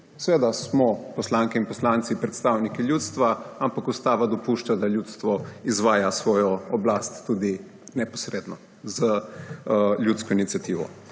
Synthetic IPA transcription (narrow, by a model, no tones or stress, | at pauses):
sɛʋeːd̪asmɔpɔslaːŋkɛinpɔslaːnt̪sipɾɛt̪st̪aːwnikiljut̪st̪ʋaampakust̪aːʋad̪ɔpuʃt͡ʃad̪aljut̪st̪ʋɔizʋaːjasʋɔːjɔɔblast̪ːuːd̪i | nɛpɔsɾeːd̪nɔ | zə | ljut̪skɔinit̪sijat̪iːʋɔ̰